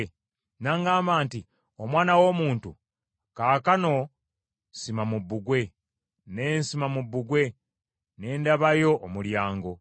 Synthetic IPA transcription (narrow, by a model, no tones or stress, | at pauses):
naːŋɡaːmbaːnti | omwaːnawo̞ːmuːntu | kaːkano̞ | simamubːuɡwe̞ | ne̞ːnsimamubːuɡwe̞ | ne̞ːndaβajo̞ʔːmuljaːŋɡo̞